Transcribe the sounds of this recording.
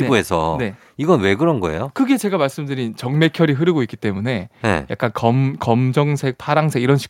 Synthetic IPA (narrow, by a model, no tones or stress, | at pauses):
oesʰʌne̞ | iɡʌnwe̞ɡɯɾʌnɡʌ̰e̞̰jokɯɡe̞t͡ɕe̞ɡamaɭs͈ɯmdɯɾint͡ɕʌŋme̞kʰjʌɾiɦɯɾɯɡoik͈i̥t͈e̞mune̞nḛja̰k͈̚ankʌmkʌmd͡ʑʌŋsʰe̞k̚pʰaɾaŋsʰeɡiɾʌnɕʰi̥